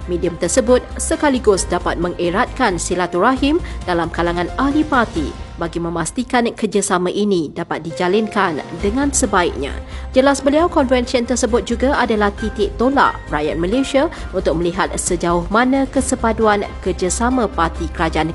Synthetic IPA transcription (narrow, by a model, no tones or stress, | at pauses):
mediəmt̪ərsəbʊt̪̚səkaliɡʊsdapat̪̚mə̃ŋeɾat̪̚kansilat̪uraɦimdalamkalaŋãnahlipart̪ḭbaɡimə̃mast̪ikankərd͡ʒasamãʔinidapat̪̚did͡ʒalɪnkandəŋãnsəbaik̚ɲã̰d͡ʒəlasbəliawkɔnfɛnsiənt̪ərsəbʊt̪̚d͡ʒuɡaadalaht̪it̪ɪʔt̪ola̰ʔraja̰t̪̚məleʃia | unt̪ʊk̚mə̃liɦat̪̚səd͡ʒaʊhmãnãkəsəpaduankərd͡ʒasamãpart̪ikəɾad͡ʒaʔan